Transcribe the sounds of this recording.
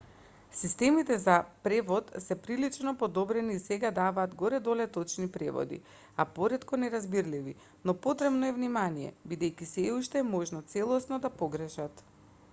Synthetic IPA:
sist̪ɛmit̪ɛzapɾɛvɔt̪sɛpɾilit͡ʃnɔpod̪ɔbɾɛniːsɛɡad̪avaːd̪ɡɔɾɛd̪olɛt̪ɔt͡ʃnipɾɛvɔ̰d̪ḭ | apoɾɛt̪kɔnɛɾazbiɾlivi | nɔpot̪ɾɛbnɔɛvnimanijɛ̰bid̪ɛjkisɛuʃt̪ɛːmɔʒnɔt̪sɛlˠɔsnɔd̪apɔɡɾəʃat̪

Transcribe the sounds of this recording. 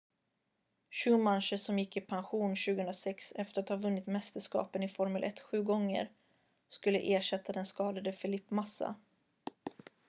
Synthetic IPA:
ɕʉːmanɕəʂɔmjɪkːɪpʰanɧuːnɕʉ̟ɡəhɵnɾasɛksɛft̪əɾat̪hɑːvɵnːɪt̪mɛst̪əʂkɑ̰ːpənɪfɔɾməlʔɛ̰t̪ːɧʉ̟ːɡɔŋːə̰ɾ | skɵlːə̰ʔeːʂɛt̪ʰːad̪ɛnskɑːd̪ad̪əfɪlɪpːmasːa̰

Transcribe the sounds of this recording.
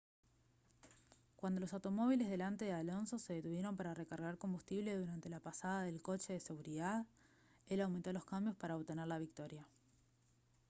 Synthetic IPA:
kwand̪o̞lo̞sawt̪o̞mo̞β̞ilezðe̞lant̪e̞ðealo̞nso̞seðet̪uβ̞je̞ɾo̞mpaɾarekaɾɣaɾko̞mbust̪iβle̞ðuɾant̪e̞lapasaðaðe̞lko̞t͡ʃe̞ðese̞ɣuɾiðað | e̞lawment̪o̞lo̞skambjo̞spaɾaoβt̪e̞neɾlaβ̞ik̚t̪o̞ɾja

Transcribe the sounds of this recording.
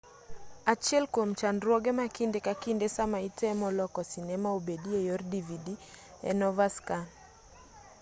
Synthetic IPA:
at͡ʃɛlkom̩t͡ʃandɾwɔɡɛmakindɛkakindɛsamaitɛmɔlɔkɔsinɛmaobediɛjɔrdividi | ɛ̰nɔvaskan

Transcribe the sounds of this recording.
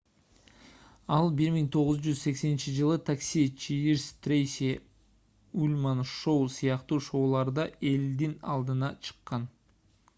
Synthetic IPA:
ɑlˠbiɾmiŋt̪ʰo̞ʁʊzd͡ʒyzse̞kse̞nint͡ʃid͡ʒɯlˠɯt̪ʰaksʲit͡ʃʰiiɾst̪rʲejsʲi | ulʲmanʃowsɯjɑqt̪uːʃo̞wlˠɑɾd̪ɑʔe̞ld̪inɑ̰lˠd̪ɯnɑt͡ʃʰɯ̥qːɑn

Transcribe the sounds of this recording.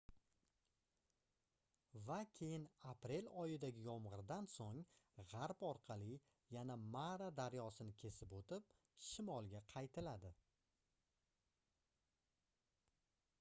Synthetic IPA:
vakʲʰe̞jɪnapɾe̞lɒjɪd̪aɡʲɪjɒmʁɨɾd̪ansoŋʁaɾpɒɾqʰɑlɪ | janamaɾad̪aɾjɒsɪnɪkʲʰe̞sɪpot̪ɪp̚ | ʃɪmɒlˠɡʲaqʰɑjt̪ʰɪlad̪ɪ

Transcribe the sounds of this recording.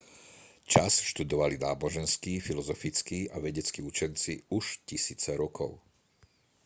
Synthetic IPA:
t͡ʃasʃt̪ud̪ɔʋalinaːbɔʒɛnskiːfilɔzɔfit͡skiːaʋɛɟɛt͡skiːut͡ʃɛnt͡siuʃcisiːt͡sɛɾɔkʰɔ̰ʊ

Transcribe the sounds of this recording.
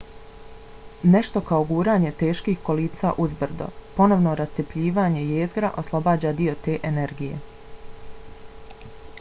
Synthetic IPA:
ne̞ʃt̪o̞kaoɡuːɾaːɲe̞t̪e̞ːʃkiːxkoliːsa̰ʔuzbr̩d̪o̰po̞no̞ʋnoɾast̪sepʎiːʋaːɲe̞jeːzɡɾa̰ʔo̞slˠo̞baːd͡ʑaːd̪io̞t̪e̞ːʔene̞ɾɡijḛ

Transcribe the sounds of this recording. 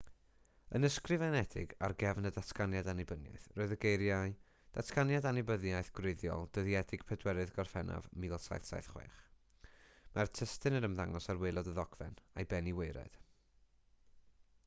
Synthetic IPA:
ənəskrɨvɛnɛdɪ̰ɡarɡɛvnədatʰkanjadanɪbənja̰θroːɨðəɡejɾjaɨ | d̥atʰkanjadanɪbəðjajθɡ̥reɨðjɔ̰lˠd̥əðiɛdɪɡ̥pʰɛdwɛɾɨðɡɔrfɛnʔa̰vmilˠsa̰jθsa̰jθχwḛːχ | martʰəstɨnəɾəmðaŋɔsarwejlˠɔdəðɔɡ̥vɛ̰najbɛniweɨɾɛ̰d̥

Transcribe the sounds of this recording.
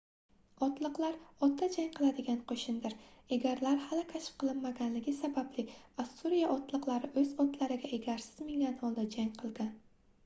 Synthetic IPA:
ɒt̪lˠɨqlˠaɾɒt̪̚d̪ad͡ʒaŋqʰɨlˠad̪ɪɡʲanqʰoʃɪnd̪ɪɾeɡʲaɾlaɾhalɪkʲʰaʃɪ̥p̚qʰɨlˠɪnmaɡʲanlɪɡʲɪsabablɪkʲvasuɾijaʔɒt̪lˠɨqlˠaɾɪʔɵz̥ɒt̪laɾɪɡʲaeɡʲaɾsɪ̥z̥mɪŋʲanɒlˠd̪ad͡ʒaŋʲqʰɨlˠɡʲan

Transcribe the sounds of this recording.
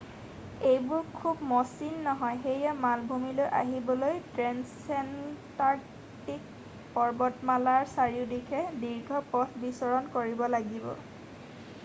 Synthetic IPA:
ejbʊɹkʰubmɔsinːɔɦɔjxejɛmalbʱumilojʔa̰ɦibɔlojtɹɛns | ɛntaɹ | tik̚ | pɔɹbɔtmalaɹsaɹiʊdikʰɛdiɹɡʱɔpɔtʰbisɔɹɔnkoɹibɔlaɡibɔ̰

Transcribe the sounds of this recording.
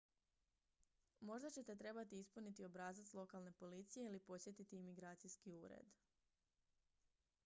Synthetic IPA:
mo̞ʒd̪at͡ɕe̞t̪e̞t̪ɾe̞bat̪iispunit̪io̞bɾaːzat̪lˠo̞kalˠne̞po̞lit̪sije̞ilipo̞sje̞t̪it̪iimiɡɾaːt̪sijskiuːɾḛd̪

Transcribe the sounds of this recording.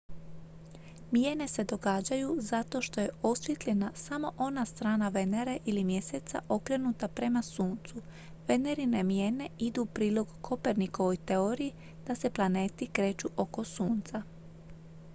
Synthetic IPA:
mjene̞se̞d̪o̞ɡaːd͡ʑajuzat̪o̞ʃt̪o̞jeo̞sʋjet̪lʎʲe̞nasamo̞ʔo̞nast̪ɾaːnaʋeneɾeʔilimje̞set̪sa̰ʔo̞kɾe̞nut̪apɾe̞masuːnt̪su | ʋe̞ne̞ɾine̞mje̞ne̞id̪upɾiːlo̞ɡkʰo̞pe̞ɾniko̞ʋo̞jt̪e̞oɾiji | d̪̥ase̞plˠane̞ːt̪ikɾe̞ːt͡ʃuʔo̞ko̞suːnt̪sa

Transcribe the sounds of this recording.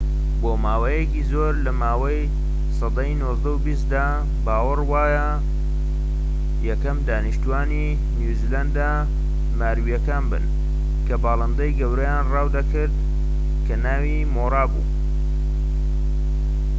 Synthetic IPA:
boːmaːwɐjekizoːɾlɐmaːwɐj | sɑd̪ɑjnoːzd̪ɐubist̪̚d̪aː | baːwɨrwaːjɐ | jɛkɐmd̪aːniʃt̪uaːni | nuziland̪a | maːɾwijɐkaːnbɨ̰n | kʰɐbɑːlˠɐnd̪ɐjɡɐwɾɐjaːnrɑːwd̪ɐkɨɾd̪̚ | kʰɐnaːwimoːɾaːbṵː

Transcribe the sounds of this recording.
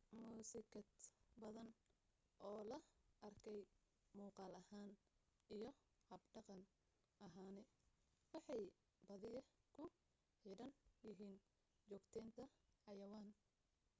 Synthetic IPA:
muːsɪkʰɐd̪bɐðɐn | ʔɔːlɐʔɐrkʰɛj | muːqɑːlɐhaːn | ijɞ | hɐbɖɑqɑn | ʔɐɦaːnɛwɑħɑj | bɐðɪjɐkʰʊ | ħiːdɐnjɪɦiːn | t͡ʃɔːɡt̪ʰɛːnt̪ʰɐħɑjɐwaːn

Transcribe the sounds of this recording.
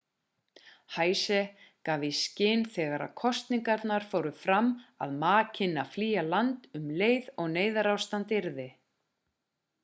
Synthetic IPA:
haːjsɛkaːviscɪːnθɛːɣaɾa̰ðkʰɔst̪niŋkaɾt̪naɾ̥foːwɾʏfɾamːa̰ðmaːcʰɪnːafliːjalant̪ʏmleːjðɔɣneːjðaɾawst̪ant̪ɪɾðɪ

